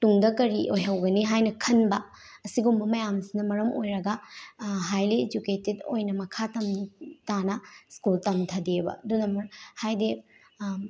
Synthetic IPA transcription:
tuŋdɐkɐɾiʔojɦɐwɡɐniɦajnɐkʰɐnbɐ | ɐsiɡumbɐmɐjamsinɐmɐɾɐmojɾɐɡɐɦajlied͡ʒuketedo̰jnɐmɐkʰatɐmtanɐskultɐmtʰɐdebɐ̰dunɐmɐɾhajde

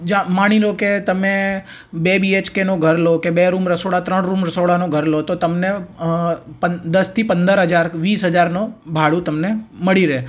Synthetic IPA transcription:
d͡ʒamaɽ̃iɾoket̪əme | bebiet͡ʃkenoɡʱəɾlokebeɾumɾəsoɽat̪ɾəɳɾumɾəsoɽanoɡʱəɾlot̪ot̪əmne | pəd̪əst̪ʰipə̃nd̪əɾɦəd͡ʒaɾʋiːsɦəd͡ʒaɾnobʱaɭũt̪əmneməɭiɾe

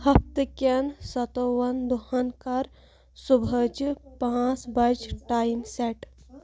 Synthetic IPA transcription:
hɐpt̪əkɐnsɐt̪oʋɐnd̪uhɐnkɐɾ | subʱəd͡ʒpãt͡sbɐd͡ʒʈaːjimseʈ

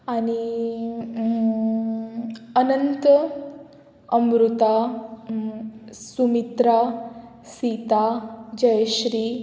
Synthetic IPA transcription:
aɽ̃i | ənənt̪ə | əmɾut̪a | sumit̪ɾa | sit̪ad͡ʑəjɕɾiː

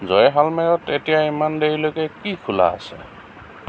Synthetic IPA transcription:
zɔjɦalmɛɹɔtetijaimandeɹilokɛkikʰula̰ːsɛ̰

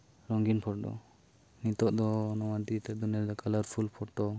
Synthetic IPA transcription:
ɾɔŋɡinpʰɔɾdɔ̰ | nit̪ɔʔd̪ɔnɔwad̪it̪ɛd̪uniaɾd̪ɔkalaɾpʰulpʰɔʈ̚dɔ

